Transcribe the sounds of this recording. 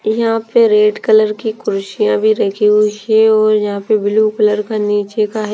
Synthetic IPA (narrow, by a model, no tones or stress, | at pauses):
jɐɦãpeɾeːɖkələɾkikʊɾʊʃijãbʱiɾɐkʰiɦuiɛɔːɾjɐɦãpebɪlukələɾkaniːt͡ʃekaɦ